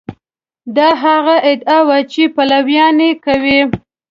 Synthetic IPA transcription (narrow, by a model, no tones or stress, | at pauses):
d̪ɑɦaɣaʔɪd̪ɑwat͡ʃepalawjɑnekawi